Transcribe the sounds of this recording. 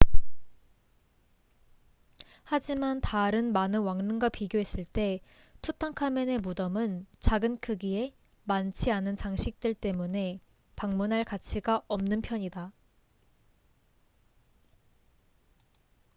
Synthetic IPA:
had͡ʑimantaɾɯnmanɯnwaŋnɯŋɡwapiɡjoɦe̞s͈ɯɭt͈e̞ | tʰutʰaŋkʰamenemudʌmɯnt͡ɕaɡɯnkʰɯɡie̞ | mant͡ɕʰianɯnt͡ɕaŋɕʰik̚t͈ɯɭt͈e̞mune̞ | paŋmunɦaɭkat͡ɕʰiɡaʔʌmnɯnpʰjʌɲida

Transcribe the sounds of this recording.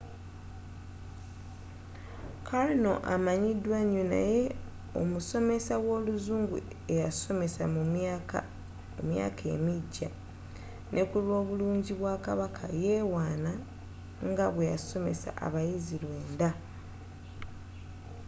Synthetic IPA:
kʰalno̞̰ʔamaɲidwaɲuna̰je̞ | o̞̰muso̞me̞sawo̞ːluzuːŋɡṵ | e̞jaso̞me̞samu | omja̰ːkʰe̞̰miɟːa | nʔe̞kulwo̞ːβuluːɲɟiβwaːkaβakʰa̰je̞ːwaːna | ŋɡaβwe̞jaso̞me̞sa̰ʔa̰βajizilwe̞ːnda

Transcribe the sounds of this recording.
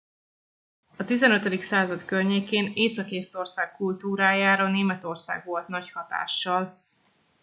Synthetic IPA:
ɒt̪izɛnø̞t̪ød̪iksaːzɒt̪kørɲeːkeːneːsɒkeːst̪o̞rsaːkːult̪uːɾaːjaːɾɒneːmɛt̪o̞rsa̰ːɡʋo̞lt̪nɒchɒt̪a̰ːʃːɒl

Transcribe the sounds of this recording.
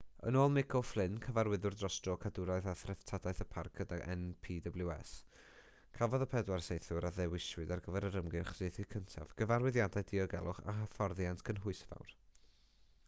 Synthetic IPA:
ə̰noːlˠmɪkʰɔflˠɪnkʰəvaɾwɪðʊrdrɔsd̥rɔkʰadʊɾajθaθrɛftʰadajθəpʰarkʰədaʔɛ̰npʰiːdəblˠjʊɛs | kʰavɔðəpʰɛdwarsejθʊɾaðɛwɪʃwɨdarɡəvɛɾəɾəmɡɪχsɪːθikʰəntʰa̰vɡ̥əvarwɪðjadaɨdiɔɡɛ̰lˠʊχa̰ɦəfɔrðjantʰkʰənɦʊɨsva̰wr

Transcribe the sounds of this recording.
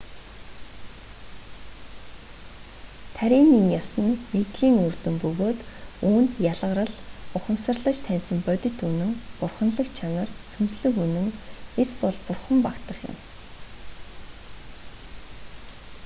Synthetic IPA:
t̪ʰæɾʲiːniŋjɔsə̆nmet̪ɮiːŋurt̪ɵ̆mpɵɣoːt̪uːnt̪jaɮʁə̆ɾə̆ɮʊχə̆msə̆rɮə̆t͡ɕt̪ʰænsə̆mpœt̪ʲɪ̆t̪unɘ̆ŋpʊrχə̆nɮə̆kt͡ɕʰanə̆rsunsɮɘ̆kunɘ̆ŋespɔɮpʊrχə̆mpakt̪ə̆χjʊ̰̆m

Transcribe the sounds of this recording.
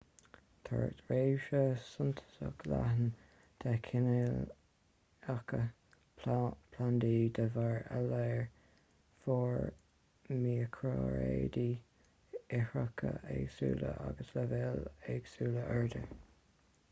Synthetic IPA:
t̪ʰa̰ɹt̪ɹeːʃəsʊnt̪ʰə̥sə̰klaɦən | d̪̥akʰɪnel | akə | pʰland̪iːd̪əvaɹalɛɹ | fɔːɹ | miːəkʰɾoɹḛːd̪i | ɛhəkʰəʔɛɡsuːləʔaɡəsləvɛlɛɡ̥suːləʔɛɹd̪ə

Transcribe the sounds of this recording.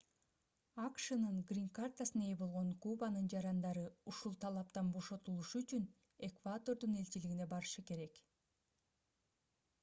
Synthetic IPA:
ɑkʃɯnɯŋɡrʲiŋkart̪asɯne̞jbo̞lˠʁo̞ŋkubanɯnd͡ʒɑɾɑnd̪ɑɾɯuʃulˠt̪ʰɑlˠɑpt̪ɑnbo̞ʃo̞t̪ulˠuʃuyt͡ʃyn | e̞kvat̪o̞ɾd̪une̞lʲt͡ʃiliɡine̞bɑɾɯʃɯke̞ɾe̞k

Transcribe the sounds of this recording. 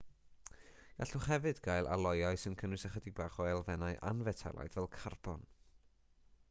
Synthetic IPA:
ɡ̥aɬʊχhɛvɨdɡajlˠʔa̰lˠɔjaɨsɨnkʰənwɨsaχədɪɡ̚baːχɔɛlˠvɛnaɨʔa̰nvɛtʰɛ̰lˠa̰jdvɛlˠkʰarbɔn

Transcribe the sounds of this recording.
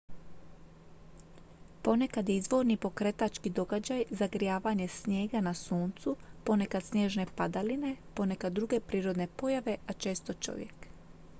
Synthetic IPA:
po̞ne̞kad̪jeizʋo̞ɾnipo̞kɾe̞t̪at͡ʃkid̪o̞ɡad͡ʑajzaɡɾijaːʋaɲe̞sɲje̞ːɡanasuːnt̪supo̞ne̞kad̪snʲjeːʒne̞pad̪aline̞po̞ne̞kad̪ːɾuɡe̞pɾiːɾo̞d̪ne̞po̞jaʋe̞ʔat͡ʃe̞ːst̪o̞t͡ʃo̞̰ʋje̞̰k

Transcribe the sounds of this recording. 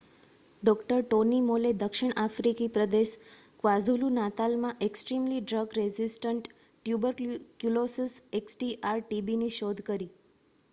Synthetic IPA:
ɖɔkʈəɾʈonimoled̪əkʃɪɳ̃ʔafɾikipɾəd̪eʃ | kʋazulunat̪almãʔeksʈɾimliɖɾəɡɾezisʈəɳʈː | jubəɾkkjulosiseksʈiʔaɾʈibiniʃod̪ʱkəɾi

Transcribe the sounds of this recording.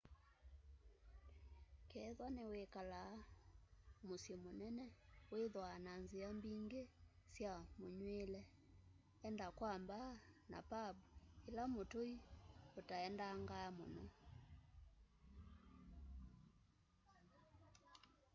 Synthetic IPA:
kɛːðwanewekala | mosjemonɛnɛweðwananziambiŋɡesjamoɲwelɛ | ɛndakwambana̰pabuelamotoiotaɛndaːŋɡaamo̰nɔ

